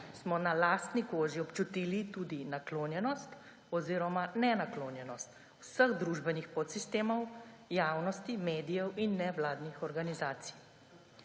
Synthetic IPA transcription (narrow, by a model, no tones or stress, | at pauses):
smɔnalaːst̪nikoːʒiɔpt͡ʃut̪iːlit̪uːd̪inakloːnjɛnɔst̪ | ɔziːɾɔmanɛnakloːnjɛnɔst̪ | wsəɣd̪ɾuʒbɛnixpɔt̪sist̪eːmɔwjaːwnɔst̪imeːd̪ijɛwinːɛʋlaːd̪nixɔɾɡanizaːt̪si̥j